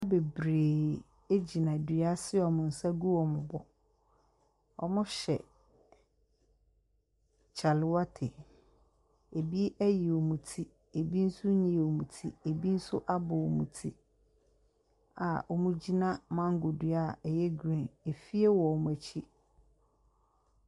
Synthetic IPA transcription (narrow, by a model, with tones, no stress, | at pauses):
a˦be˨bɾe˨ | e˦d͡ʑi˨nã˨dɥa˦sɪ˦ɔ˨mʊ̃˨n̩˨sa˦ɡu˦wɔ˨mʊ̃˨bɔ˨ | ɔ̰˨mʊ̃˦ɕɛ̰˨ | t͡ɕʰa˨lɪ˨˦wa˦tʰɪ˨ | e˨bi˦ʔæ˦ji˨o˨mũ˨tʰi˦ | e˨bi˦n̩˦sʊ˦ɲĩ˨o˨mũ˨tʰi˦e˨bi˦n̩˦sʊ̰˦ʔa˦bʊ˨o˨mṵ̃˨tʰi˦ | a̰˨ʔɔ˨mũ˦d͡ʑi˦nã˦mã˦ŋ̩˦ɡʊ˨dɥa˦˨ɛ˨jɛ˦ɡɾĩ˦˨ne˨fi˦e˦wɔ˨ɔ˨m˨æ˨t͡ɕʰi˦